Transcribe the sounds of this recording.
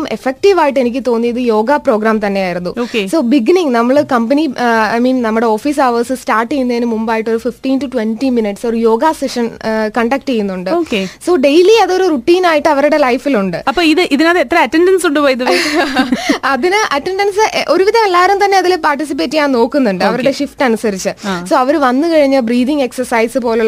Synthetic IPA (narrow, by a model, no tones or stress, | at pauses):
mefek̚ʈiʋaːjiʈ̬ːe̞nikʲːɨt̪o̞ːnːiɐðɨjo̞ːɡapro̞ːɡɾaːmt̪ɐnːe̞jaːjiɾunːuoːkeso̞ːbiɡniŋnɐmːɐɭkɐmpɐnia̰jmiːnnɐmːuɽe̞o̞ːfiːs̬aːʋɐsɨstaːrʈːejunːɐinɨmumbaːjiʈːo̞ɾufifʈiːntuʈwenʈiminiʈsoɾujo̞ːɡaseʂɐnkɐɳɖɐk̚ʈejunːuɳɖɨoːkeso̞ːɖe̞jliɐðo̞ɾuruʈːiːnaːjiʈːɨɐʋɐɾuɽe̞lɐjfiluɳɖɨɐppːoːiðɨʔiðinɐðeet̪ːɾɐmɐtːeɳɖɐnsuɳɖɨpoːjiðɨ | ɐðinɨʔɐtːeɳɖɐnsɨʔʔo̞ɾuʋiðɐme̞lːaːʋɐɾumt̪ɐnːe̞ɐðilpaːrʈːisip̬ːe̞ːtːikʲaːɳno̞ːkːunːuɳɖɨɐʋɐɾuɽe̞ʂifʈɨɐnusɐɾit͡ɕːɨso̞ːɐʋɐɾuʋɐnːɨkɐɻiɲːɐbriːðiŋɡe̞ksɐsɐjsɨpo̞ːluɭː